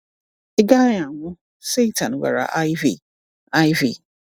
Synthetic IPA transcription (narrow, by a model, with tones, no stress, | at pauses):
ɪ˦ɡa˦ɲa˨ŋʷʊ˦ | se˦ta˨n̩˨ɡa̰˨ɾa̰˨ʔa˦vi˨ | a˦jvḭ˦˨